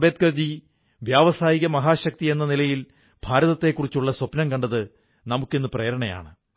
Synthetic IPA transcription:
bet̪̚kɐrd͡ʑi | ʋjaːʋɐsaːjiɣɐmɐɦaːɕɐk̚t̪ie̞nːɐnilɐjil | b̥ʱaːɾɐðɐt̪ːe̞kːurit͡ɕːuɭːɐswɐpnɐmkɐɳɖɐðɨ | nɐmukːenːɨpreːɐɾɐɳɐja̰ːɳɨ

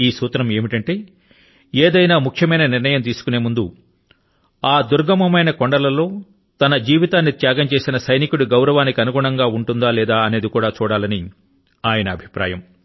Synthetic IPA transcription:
iːsuːt̪ɾɐme̞ːmiʈɐɳʈe̞ː | eːd̪ɐjnaːmukʰjɐmɐjnɐniɾnɐjɐmt̪̬iːsu̥kune̞ːmund̪u | aːd̪uɾɡɐmɐmɐjnɐkoɳɖɐlɐlo̞ː | t̪ɐnɐd͡ʒiːʋit̪aːnːit̪jaːɡɐmt͡ʃe̞ːsinɐsɐjnikuɽuɡɐwɾɐʋaːnikiɐnuɡuːɳɐŋɡaːuɳʈund̪aːlɛːd̪aːɐne̞ːd̪ikuːɽaːt͡ʃuːɽaːlɐni | aːjɐnɐːbʱi̥pɾa̰ːjɐm

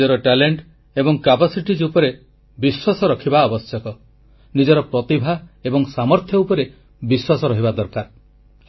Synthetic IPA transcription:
ɔɾɔʈaleɳʈ | ebɔŋkapasiʈid͡ʒupɔɾe | biswasɔɾɔkʰibaɔbɔsjɔkɔ | nid͡ʒɔɾɔpɾɔt̪ibʱaebɔŋsamɔɾt̪ʰjɔupɔɾe | biswasɔɾɔɦibad̪ɔɾkaɾ

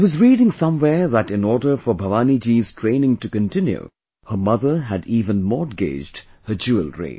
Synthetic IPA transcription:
iwʌzɹiːɾɪ̃ŋsʌ̃mwɛɹðæɾɪ̃nɔɹdə˞fəbʱəʋaːnid͡ʒiz̥tʰɹẽɪnɪ̃ŋtɨkɨ̃ntʰɪ̃njṵ | hə˞mʌðə˞ɦædiːvə̃nmɔdɡḛɪd͡ʒdhə˞d͡ʒuəlˠɹḛɪ

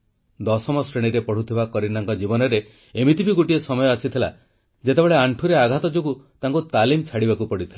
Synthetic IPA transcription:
d̪ɔsɔmɔsɾeɽ̃iɾepɔɽ̤ut̪ʰibakɔɾinaŋkɔd͡ʒibɔnɔɾeː | mit̪ibiɡoʈiesɔmɔjɔasit̪ʰila̰ | d͡ʒet̪ebeɭeaɳʈʰuɾeaɡʱat̪ɔd͡ʒoɡut̪aŋkut̪alimt͡ʃʰaɽibakupɔɽit̪ʰila

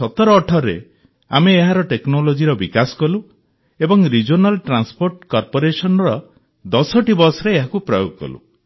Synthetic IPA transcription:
ɔt̪ɔɾɔːʈʰɔɾḛ | ameːɦaɾɔʈeknolod͡ʒiɾɔbikasɔ̥kɔlu | ebɔŋɾid͡ʒonalʈɾanspoɾʈkɔɾpoɾesɔnɔɾɔ | d̪ɔsɔʈibɔsɔɾeːɦakupɾɔjoɡɔkɔ̰lṵ

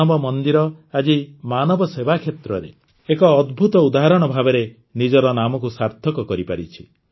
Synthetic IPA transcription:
ɔbɔmɔnd̪iɾɔad͡ʒimanɔbɔsebakʰjet̪ɾɔɾḛ | ekɔːd̪bʱut̪ɔud̪aɦaɾɔɽ̃ɔbʱabeɾe | nid͡ʒɔɾɔnamɔkusaɾt̪ʰɔkɔkɔɾipaɾit͡ʃʰi̥

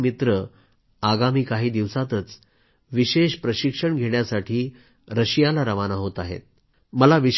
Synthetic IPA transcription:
mit̪ɾə | aɡamiːkaɦiːd̪iʋsat̪ət͡s | ʋiɕeɕpɾəɕikʂəɳɡʱeɽjasaʈʰiː | ɾəɕjalaɾəʋanaɦot̪aɦḛt̪̚ | məlaʋiɕ

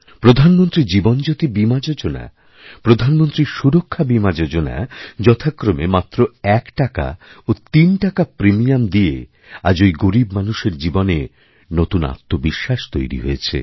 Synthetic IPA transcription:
pɾod̪ʱanmont̪ɾid͡ʑibond͡ʑot̪ibimad͡ʑod͡ʑona̰ | pɾod̪ʱanmont̪ɾiʃuɾokʰːabimad͡ʑod͡ʑona̰d͡ʑɔt̪ʰakɾomemat̪ːɾoɛkʈaka̰ot̪inʈakapɾemijamd̪iḛ | ad͡ʑojɡoɾibmanuʃeɾd͡ʑibone | not̪una̰t̪ːobiʃːaʃt̪ojɾḭɦo̰et͡ɕʰḛ

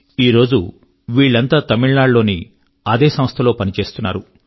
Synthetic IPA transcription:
iːɾo̞ːd͡ʒu | ʋiːɭːɐnt̪aːt̪ɐmiɭnaːɖlo̞ːni | ɐd̪eːsɐmɐst̪ʰɐlo̞ːpɐnit͡ʃe̞ːst̪unːaːɾu

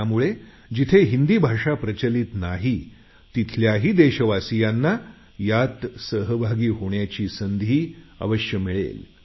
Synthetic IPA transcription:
muɭe | d͡ʑit̪ʰeɦind̪iːbʱaʂapɾət͡ɕəliːt̪naɦi | t̪it̪ʰljaɦiːd̪eɕəʋasijanːa | jat̪səɦəbʱaɡiːɦoɳjat͡ɕiːsənd̪ʱiːə̰ʋəɕjəmiɭḛl

